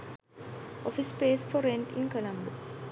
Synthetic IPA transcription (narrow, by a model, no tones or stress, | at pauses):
ʔofispeːsfɔɾeɳʈḭnkɐlɐmbu